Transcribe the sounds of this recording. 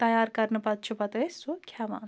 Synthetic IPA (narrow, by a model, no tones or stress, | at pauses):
t̪ɐjaːɾkɐɾnupɐt̪̚t͡ʃʰupɐt̪ɐsukʰjamã̰ːn